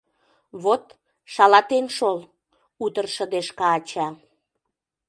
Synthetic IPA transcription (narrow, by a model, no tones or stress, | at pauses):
βot̪ | ʃɑlɑt̪enʃol | ut̪ərʃə̆d̪eʃkɑːt͡ɕɑ